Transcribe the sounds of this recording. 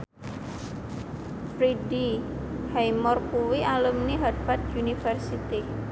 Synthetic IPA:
fɾidihajmɔrkuwiʔalumniɦad̪̚fad̪̚unifərsit̪i

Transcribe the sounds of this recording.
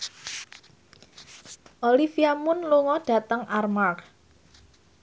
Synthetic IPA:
ʔolifiamʊnluŋɔɖ̥ä̤t̪əŋʔarmar

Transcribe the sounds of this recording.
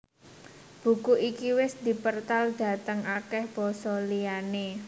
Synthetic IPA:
b̥ṳkuʔikiwɪsd̪̥i̤pərt̪ald̪̥a̤t̪əŋʔakɛhb̥ɔsɔliane

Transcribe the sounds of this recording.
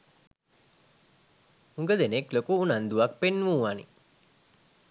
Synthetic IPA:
uŋɡəd̪eneklokuunand̪uʋak̚penʋuːʋanḭ

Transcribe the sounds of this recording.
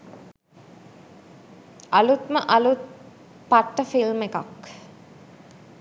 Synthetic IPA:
alut̪məʔɐlut̪̚ | paʈːəfilmekak

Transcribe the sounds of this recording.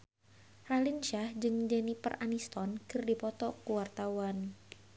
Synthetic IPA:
ralinʃahd͡ʒɨŋd͡ʒɛnipə̰rʔanist̪ɔnkɨrdipɔt̪ɔkuwart̪awan

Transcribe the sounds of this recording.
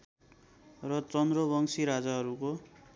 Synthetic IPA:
rʌt͡sʌnd̪rʌbʌŋsiɾad͡zaɦʌɾuko

